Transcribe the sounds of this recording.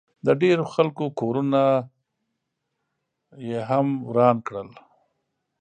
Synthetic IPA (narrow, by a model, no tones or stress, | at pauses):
d̪əɖeɾoxalkokoɾuna | jeɦamwɾɑnkɽəl